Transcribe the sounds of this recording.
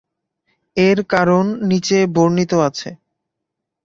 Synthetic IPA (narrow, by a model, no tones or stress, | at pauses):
eɾkaɾonːit͡ɕeboɾnit̪oat͡ɕʰḛ